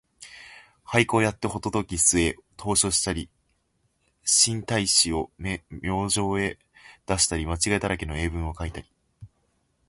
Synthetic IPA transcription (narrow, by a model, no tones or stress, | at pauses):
haiko̞ːjat̪ːe̞ho̞t̪o̞t̪okʲisɨe̞t̪ʰo̞ːɕo̞ɕi̥t̪aɾʲi | ɕĩnt̪aiɕio̞mmjo̞ːʑo̞ːe̞ | d̪̥aɕi̥t̪aɾʲimat͡ɕiɡaet̪aɾake̞noe̞ːbɯ̟̃ɰ̃o̞kait̪aɾʲi̥